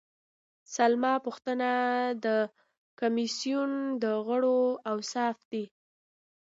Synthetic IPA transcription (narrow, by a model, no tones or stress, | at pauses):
salmɑpuxt̪ənad̪ə | kamisijund̪əɣəɽoawsɑfd̪i